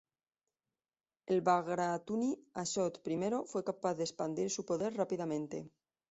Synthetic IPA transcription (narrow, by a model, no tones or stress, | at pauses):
e̞lβaɣɾat̪uniaʃot̪pɾime̞ɾo̞fwe̞kapaθðespand̪iɾsupo̞ðe̞ɾrapiðamẽ̞nt̪e̞̰